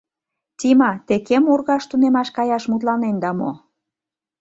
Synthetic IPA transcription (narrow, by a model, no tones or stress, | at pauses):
t̪ʲimɑt̪ekemurɣɑʃt̪unemɑʃkɑjɑʃmut̪lɑnend̪ɑmo̰